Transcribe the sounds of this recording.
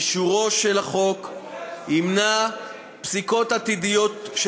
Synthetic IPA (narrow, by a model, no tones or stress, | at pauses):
ʃuʁo̞ʃelaχo̞k | imna | psiko̞t̪at̪id̪ijo̞t̪ʃ